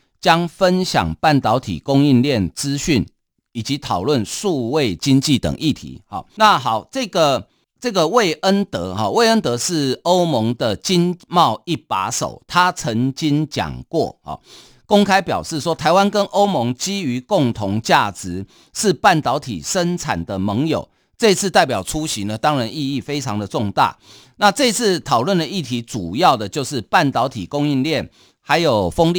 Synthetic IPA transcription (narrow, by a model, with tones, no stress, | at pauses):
t͡ɕja˦˥ŋfə˦nɕja̰˨˩ŋpa˥˩nt̪ɑ˧˦ʊt̪ʰḭ˨˩kʊ˦ŋi˥˧nljɛ˥˨nt͡sɹ̩˦ɕy˥˨˩n | i˨˩t͡ɕi˨˦t̪ʰɑ˨˩ʊlwə˥˨nʂu˥˧we˥˨ɪt͡ɕi˦˥nt͡ɕi˥˨t̪ə̰˨˩ŋʔi˥˨˩t̪ʰḭ˨˦hɔ̰˨˩na˥˨ɦɑ˨˩˦ʊt͡sɤ˥˩ɡə˨ | t͡sə˥˩ɡə˨we˥˩ɪʔə˦nt̪ə̰˨˧˦hɔ˨we˥˧ɪə˦nt̪ə˧˦ʂɻ̩˥˩o˦ʊmɔ˧˦ŋd̪ə˨t͡ɕi˦˥nmɑ˥˨˧ʊi˥˩pa̰˧˥so̰˨˩ʊt̪ʰa˦t͡sʰə˧˦ŋt͡ɕi˦nt͡ɕja̰˨˩ŋkwɔ̰˥˩hɔ̰˨˩ | ko˥ŋkʰa˥ɪpjɑ̰˨˩ʊʂɻ̩˥˩ʂwɔ˥t̪ʰa˧˥ɪwa˦nkə˦˥nʔo˥ʊmɔ˧˦ŋt͡ɕi˥y˧˥kʊ˥˨ŋt̪ʰʊ˧˥ŋt͡ɕja˥˩t͡sɻ̩˨˦ | ʂɻ̩˥˧pa˥˩nt̪ɑ˧˦˥ʊt̪ʰḭ˨˩ʂə˦˥nt͡sʰa̰˨˩nd̪ə˦mɤ˧˦ŋjo̰˨˩ʊ | t͡sɤ˥˧i˧t͡sʰɹ̩˥˧t̪a˥˩ɪpjɑ˨˩ʊt͡sʰu˦ɕi˨˦nə˨t̪ɑ˥ŋɻa˧˦ni˥˧i˥˩fe˥ɪt͡sʰɑ˦ŋd̪ə˨t͡sʊ˥˧ŋt̪a̰˥˩ | na˥˧t͡sɤ˥˧i˧t͡s̩ʰ˥˩t̪ʰɑ˨˩ʊlwə˥˨nd̪ə˩i˥˩t̪ʰi˨˧˦t͡su˨˩jɑ˥˩ʊd̪ə˩t͡ɕjo˥˧ʊʂɻ̩˥˩pa˥˩nt̪ɑ˧˦ʊt̪ʰḭ˨˩kʊ˥ŋi˥˧nljɛ˥˩n | ha˧˥ɪjo˨˩ʊfə˦ŋli˥˨